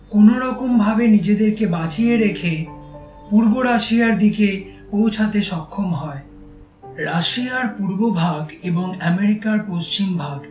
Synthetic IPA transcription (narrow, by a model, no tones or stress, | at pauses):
konoɾɔkombʱabenid͡ʑed̪eɾkebat͡ɕieɾekʰe | puɾboɾaʃiaɾd̪ike | powt͡ɕʰat̪eʃɔkʰːomɦɔe | ɾaʃiaɾpuɾbobʱaɡeboŋɛmeɾikaɾpoʃt͡ɕimbʱaɡ